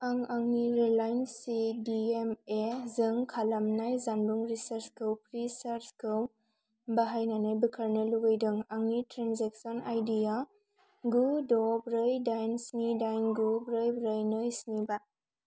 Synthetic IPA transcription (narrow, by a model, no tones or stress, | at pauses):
aŋaŋniɾilajnsidiemezɯŋkʰalamnajzanbuŋɾisaɾskɯwpɾisaɾskɯw | baɦajnanajbikʰaɾnɯluɡajdɯŋaŋnitɾanzeksɔnajdija | ɡudɔbɾɯjdajnsnidajnɡubɾɯjbɾɯjnojsniba